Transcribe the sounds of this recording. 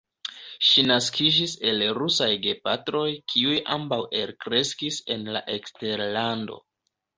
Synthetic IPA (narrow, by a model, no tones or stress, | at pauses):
ʃinaskʰid͡ʒise̞lɾusajɡe̞patɾo̞jkʰiujʔa̰mbawe̞ɾkɾe̞skise̞nla̰ʔe̞kste̞ɾlando̞̰